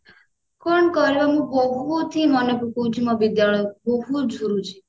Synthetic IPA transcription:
kɔɳkɔɾibamũboɦut̪ʰimɔnepukud͡ʒʰimɔbid̪jaɭɔjɔboɦud͡ʒʱuɾut͡ʃʰi̥

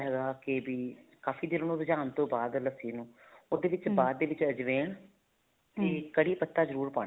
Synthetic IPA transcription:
ɦɛːɡaːkebiːkaːfʰiːd̪ɪɾnũːɾd͡ʒaːnt̪õːbaːd̪ləsiːnũːoːd̪eːʋɪt͡ʃbaːd̪̚ːeːʋɪt͡ʃəd͡ʒʋeːɳ | t̪iːkəɽiːpət̪ːaːzəɾuːɾpã̰ː

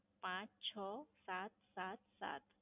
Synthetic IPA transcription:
pãt͡ʃt͡ɕʰɔsat̪̚sat̪sa̰t̪

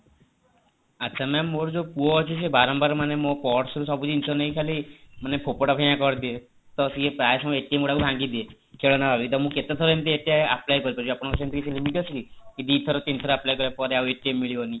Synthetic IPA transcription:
atːʃʰamɛmːoɾd͡ʒopuoɔt͡ʃʰusebaɾɔmbaɾmanemopɔʈsɔɾusɔbud͡ʒinsɔnəĩkʰalimanepʰopɔʈɔpejãkɔɾd̪ie | t̪ɔsiepɾajsmaeʈiemɡuɽakubʱãŋɡid̪ie | kʰeɭɔnabʱabiit̪ɔmũket̪et̪ʰɔɾɔemt̪ieʈijaa̰plajkɔɾipɔɾt͡ʃiapɔɽ̃kɔsʰent̪ikisilimiʈɦɔsikikid̪it̪ʰɔɾɔt̪int̪ʰɔɾaplajkɔɾjapɔɾeaweʈiemːiɭiʋoni

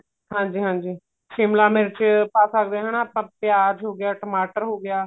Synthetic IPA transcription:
ɦãːɲd͡ʒiːɦãːɲd͡ʒiː | ʃɪmlaːmeːɾt͡ʃpaːsəkd̪eːɦaːnaaːpãːpɪjaːɾɦoːɡɪjaːʈəmaːʈəɾɦoːɡɪjaː

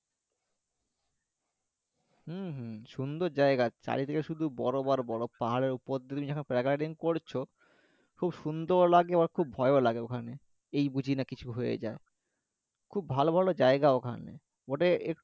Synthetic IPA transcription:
h̩ɦʃund̪oɾd͡ʑaeɡat͡ɕa̰ɾit̪ʰekeʃud̪ʱubɔɾobaɾbɔɾopaɦaɾeɾupod̪ʱːet̪umid͡ʑɛkʰonpɾakaɖiŋkoɾt͡ɕʰo | kʰubʃund̪oɾlaɡebaɾkʰub̚bʱɔeolaɡeokʰane | ejbud͡ʑʱinakit͡ɕʰuɦojḛd͡ʑae | kʰubːʱalobʱalod͡ʑaeɡaokʰa̰nḛ | oʈee

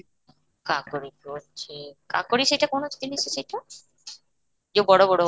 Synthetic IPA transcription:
kakoɾikot͡ɕʰeka̰koɾiʃejʈakonot͡ɕt̪inieʃejʈa | d͡ʑobɔɽobɔɽo

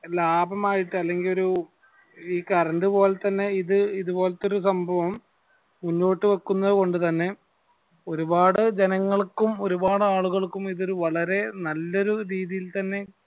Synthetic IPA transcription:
laːbʱɐmaːjiʈːɨɐlːe̞ŋɡilo̞ɾu | iːkɐɾɐnɖɨpo̞ːlet̪ɐnːe̞iðɨiðubo̞ːlɐt̪ːo̞ɾusɐmbʱɐʋɐm | munːo̞ːʈːɨʋɐkːunːɐðɨko̞ɳɖɨt̪ɐnːe̞ | o̞ɾubaːɽɨd͡ʑenɐŋːɐɭkːumo̞ɾubaːɽɨaːɭuɣɐɭkːumiðo̞ɾuʋɐɭɐɾe̞nɐlːo̞ɾuɾiːðijilt̪ɐnːe̞

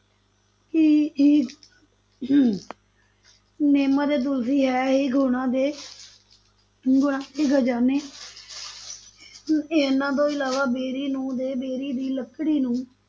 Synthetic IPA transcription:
kɪː | neːmãːd̪eːt̪̬ʊls̬iːɦɛːɦeːɡʱoɳãːd̪eː | ɡʊɳãːd̪eːɡʱəd͡ʒaːneː | enãːt̪õːɪlaːʋaːbeːɾiːnũːd̪eːbeːɾiːd̪iːləkɽiːnũː

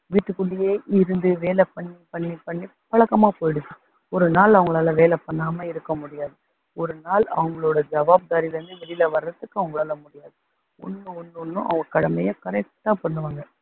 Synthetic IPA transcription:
ʋiːʈːɯkːʊɭːɪjeːʔɪɾɯnd̪ɯʋeːlɛpɐɳːipɐɳːipːɐɳːi | pɐɭɐkːɐmaːpoːjɪɽɯkːɐ | ɔɾɯnaːlɐʋɐŋɡɐɭaːlɐʋeːlɛpɐɳːaːmɐɪɾɯkːɐmʊɽɪjaːðɯ | ɔɾɯnaːlɐ̰ʋɐŋɡɐɭoːɽɐd͡ʒɐʋaːb̚d̪aːɾiʋɐnd̪ɯʋɛɽɪlɐʋɐɾɐt̪ːɯkːɯɐʋɐŋɡɐɭaːlɐmʊɽɪjaːðɯ | ʊ̰nːɯ̃ɔnːɯɔnːʊ̰̃ʔɐ̰ʋɐŋɡɐkːɐɽɐmɐjɐkɐɾɛk̚ʈːaːpɐɳːɯʋaːŋɡɐ

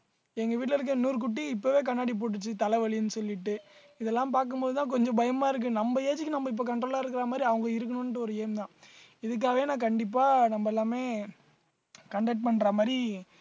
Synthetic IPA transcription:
ɛŋɡɐʋiːʈ̬lɐɪɾɯk̬ːɐnuːɾk̬ʊʈ̬ːiɪpːoʋeːk̬ɐnːaːɽip̬oːʈ̬ːɯt͡ʃːɯt̪ɐlɐʋɐɭɪjɯnːɯsɔlːɪʈːɯ | ɪðɛlːãːmpaːɾkɯmboːðɯt̪ãːk̬ɔɲd͡ʒɔ̃bɐjɐmaːɪɾɯk̬ːɯnɐmbɐeːd͡ʒɪkːɯnɐmbɐɪp̬ːoːkɐɳʈɾoːlaːɪɾɯkːɪɾaːmaːd̪ɾiɐʋɐŋɡɐɪɾɯkːɐɳɯnʈːɯɔɾɯeːmt̪ãː | ɪðɯk̬ːaːʋeːnãːkɐɳɖɪp̬ːaːnɐmbɐɛlːaːmeː | kɐɳɖɐʈ̚pɐɳːɾaːmaːd̪ɾi

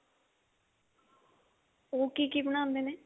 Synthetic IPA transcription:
oːkiːkiːbəñãːnd̪eːneː

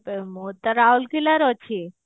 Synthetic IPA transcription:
pemot̪aɾaulkilaɾɔt͡ʃʰi

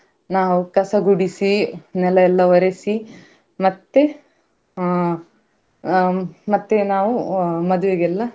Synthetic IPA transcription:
naːʋukɐsɐɡuɽisinɛlɐɛlːɐʋɐɾesi | mɐt̪ːe | mɐt̪ːenaːʋumɐd̪uʋeɡɛlːɐ

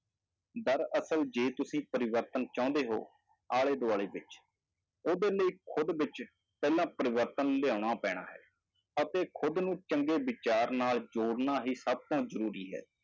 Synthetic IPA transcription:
d̪əɾəsəld͡ʒeːt̪ʊsĩːpəɾɪʋəɾt̪ənt͡ʃãːʊ̃nd̪eːɦo̰ː | aːleːd̪oaːleːbɪt͡ʃ | oːd̪eːləiːkʰʊd̪ʋɪt͡ʃ | pɛːlãːpəɾɪʋəɾt̪ənleaːɳ̃aːpɛ̃ːɽ̃a̰ːɦɛ̰ː | ət̪eːkʰʊd̪nũːt͡ʃəŋɡeːʋɪt͡ʃaːɾnaːld͡ʒoːɽnaːɦiːsəb̚t̪õːzəɾuːɾiːɦɛ̰ː

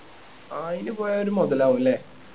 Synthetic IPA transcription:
ainɨpoːjaoɾumɔðɐlaːʋuilːe

